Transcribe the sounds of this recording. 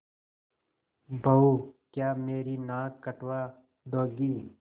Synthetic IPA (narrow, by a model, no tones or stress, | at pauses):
bʱəuːkjaːmeːɾiːnãːkːəʈwaː | d̪oːɡiː